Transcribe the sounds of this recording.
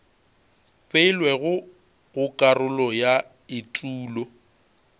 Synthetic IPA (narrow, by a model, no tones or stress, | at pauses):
pʼeɪlwɛɣʊ | ɣʊkʼarʊlɔja | ɪtʼuːlɔ